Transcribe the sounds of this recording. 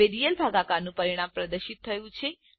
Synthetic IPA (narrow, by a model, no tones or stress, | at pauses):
eɾijəlbʱaɡakaɾnũpəɾiɽ̃ampɾəd̪əɾʃit̪ʰːəjũt͡ʃʰe